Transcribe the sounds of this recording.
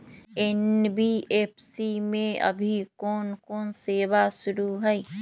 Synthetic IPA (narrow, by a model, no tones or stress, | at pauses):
ɛnbieːpʰsimẽɐ̰bʱikɔːnkɔːnseːbasʊɾuɦɛi